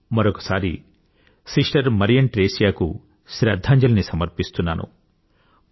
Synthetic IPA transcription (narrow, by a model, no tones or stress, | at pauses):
mɐɾokɐ̥saːɾḭ | siʂʈɐɾmɐɾijɐɳʈɾeːsjaːkṵ | ʃɾɐd̪ʱːaːɲd͡ʒɐlɐnisɐmɐɾpist̪unːa̰ːnṵ